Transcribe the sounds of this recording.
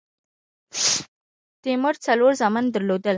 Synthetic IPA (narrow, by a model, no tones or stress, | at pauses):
t̪eməɾt͡sɐloɾzamand̪əɾlod̪əl